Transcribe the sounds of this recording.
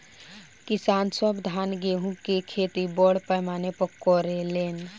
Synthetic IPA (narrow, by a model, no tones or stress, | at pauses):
kisaːnsɔbd̪ʱaːnɡeɦũkekʰeːt̪ibɔɽpəjmaːnepəkːɔɾeleːn